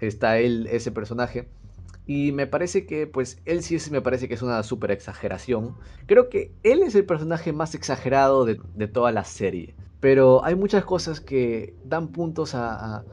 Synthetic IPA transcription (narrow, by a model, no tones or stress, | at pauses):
est̪aelese̞pe̞ɾso̞naxe̞ | ime̞paɾe̞se̞kepwe̞se̞lsiesme̞paɾe̞se̞keesunasupe̞ɾe̞ksaxeɾʔa̰sjo̞ŋkɾe̞o̞ke̞e̞le̞se̞lpe̞ɾsonaxe̞mase̞ksaxe̞ɾað̞o̞ðed̪e̞t̪o̞ðalase̞ɾje̞̰pe̞ɾo̞a̰jmut͡ʃasko̞saske̞d̪ampunt̪o̞saː